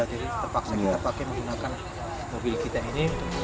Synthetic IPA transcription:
ad͡ʒadit̪əpaket̪əpakɛməŋɡunakan | mobɪlkit̪aini

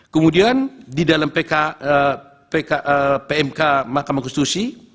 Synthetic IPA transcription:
kəmudiandidalampeka | pekaʔəpeɛmkamakamankɔsit̪usi

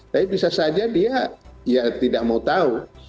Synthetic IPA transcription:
t̪aibisasad͡ʒadiajat̪idaʔ̚maut̪au

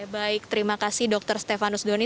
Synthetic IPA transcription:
baɪk̚t̪əɾimakasɪhdɔk̚t̪ərst̪efanusdoni

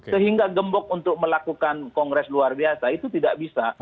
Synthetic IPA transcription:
ksəɦiŋɡaɡəmbɔk̚unt̪ʊk̚məlakukankɔŋɡɾɛsluarbiasait̪ut̪idaʔbisa

